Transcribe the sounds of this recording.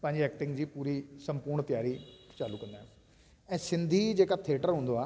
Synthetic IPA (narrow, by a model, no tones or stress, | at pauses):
pə̃ːɲd͡ʑiɛːkʈɪ̃ŋɡd͡ʑiːpuːɾiːsə̃mpuːɾɳt̪ɪjaːɾiːt͡ʃaːluːkə̃nd̪aːɦɛ | ɛ̃ːsɪ̃nd̪ʱiːd͡ʒeːkaːt̪ʰeːʈəɾɦoʊ̃ːnd̪oaː